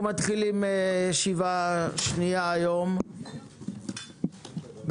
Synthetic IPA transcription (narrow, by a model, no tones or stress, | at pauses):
mat̪χilimʃivaʃniaːjo̞m | b